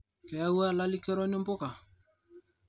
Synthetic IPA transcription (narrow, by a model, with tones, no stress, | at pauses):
kɛ˨a˦wa˦la˦li˦kɛ˦ɾɔ˦nɪ˦mbo˦ka˨